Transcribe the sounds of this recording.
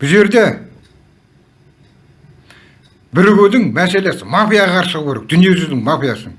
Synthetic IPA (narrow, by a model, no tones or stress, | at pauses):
b̥ɪzʒe̞ɾd̪e̞ | bɪɾʏɡʲed̪ɪŋmæse̞le̞sɪmapijaʁɑqʰɑɾʃəʁəpkʰʲeɾek̚d̪̥ʏnijezɪzd̪ɪŋmapijasəŋ